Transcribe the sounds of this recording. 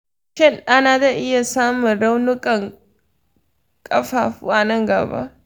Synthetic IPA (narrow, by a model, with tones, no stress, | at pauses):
ʃɪ˦˨nʔa˦naː˨da˨ʔɪ˦ja˨saː˦mʊ˨nɾɐ˦wnʊ˦kʼɐ˨ŋ | kʼɐ˦ɸaː˨ɸṵ˦ʔa˨nɐ˦˨ŋɡɐ̰˨ba̰˦ʔ